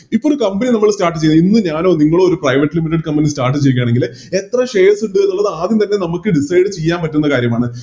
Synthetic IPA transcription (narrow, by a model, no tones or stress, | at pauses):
ipːoːɾukɐmbeninɐmːɐɭstaːrʈːɨt͡ɕejunːinːɨɲaːnoːniŋːɐɭooɾuprɐjʋɐʈːɨlimiʈːɐɖkɐmpɐnistaːrʈ̬ːɨt͡ɕejkːjaːɳe̞ŋɡil | e̞t̪rɐʂejlsuɳɖuɐnːuɭːɐðɨaːðimt̪ɐnːe̞nɐmukːɨɖisɐjɖɨt͡ɕe̞jːaːnpɐtːunːɐkaːɾjɐmaːɳɨ